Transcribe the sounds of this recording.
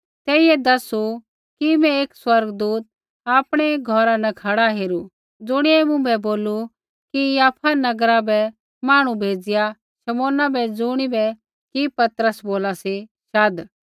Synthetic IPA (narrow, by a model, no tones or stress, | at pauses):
t̪ɛːɪɛd̪ɐsu | kimɛ̃eːkswɐɾɡd̪uːt̪̚ | aːpɽ̃ɛɡʱɔːɾanɛkʰɐɽaɦeːɾu | d͡zʊɽ̃iɛmʊ̃bɛboːlu | kijaːpʰanɐɡəɾabɛ | maːɽ̃ũbʱeːd͡zɪja | ʃɐmoːnabɛd͡zʊɽ̃ibɛ | kipɐt̪ɾəsboːlasi | ʃaːd̪